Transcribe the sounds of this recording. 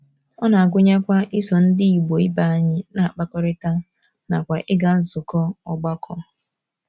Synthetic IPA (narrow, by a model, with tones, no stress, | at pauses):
ɔ˦na˨a˨ɡʷʊ˦ɲa˦kʷa˦ʔɪ˦sɔ˨n̩˦dɪ˦i˨ɡ͡bo˨i˦ba˨a˨ɲɪ˦na˨a˨k͡pa˦kɔ˦ɾɪ˦ta˦ | na˨kʷa˨ʔɪ˦ɡa˦n̩˦zʊ˨kɔ˦ɔ˨ɡ͡ba˦kʰɔ˦